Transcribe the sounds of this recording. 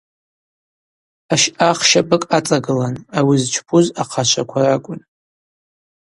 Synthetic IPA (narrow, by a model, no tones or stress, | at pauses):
aʃaχʃabɨkʼat͡sʼaɡɨlanawizt͡ʃʰpʰuzaqʰaʃʷʰakʷʰarakʷʼʊn